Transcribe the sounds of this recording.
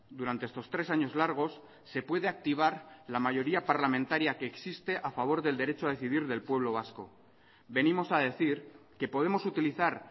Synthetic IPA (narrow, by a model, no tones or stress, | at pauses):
d̪uɾant̪eest̪o̞st̪ɾe̞saɲo̞zlaɾɣ̞o̞sː | e̞pwe̞ð̞e̞ak̚t̪iβ̞aɾlamaʝo̞ɾiapaɾlamẽnt̪aɾjake̞ːksist̪e̞ʔafaβ̞o̞ɾðe̞ld̪e̞ɾe̞t͡ʃoaðe̞θiðiɾðe̞lpwe̞β̞lo̞β̞asko̞̰ | be̞nimo̞saðe̞θiɾke̞po̞ð̞e̞mo̞sut̪iliθaɾ